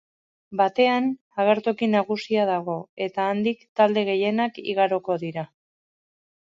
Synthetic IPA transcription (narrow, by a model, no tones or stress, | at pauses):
bat̪e̞an | aɣ̞e̞ɾt̪okinaɣ̞usiaðaɣ̞o̞e̞t̪aːnd̪ikt̪ald̪e̞ɣe̞je̞nakḭɣaɾo̞ko̞ðiɾa